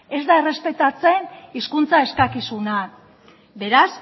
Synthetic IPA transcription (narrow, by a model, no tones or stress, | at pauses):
e̞zd̪ae̞re̞spe̞t̪at͡se̞niskunt͡sae̞skakisuna | be̞ɾas